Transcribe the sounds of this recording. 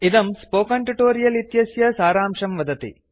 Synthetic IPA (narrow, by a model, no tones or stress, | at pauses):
id̪ɐmspoːkɐɳʈiʈoːɾijɐlit̪jɐsjɐsaːɾaːmʂɐmʋɐd̪ɐt̪ḭ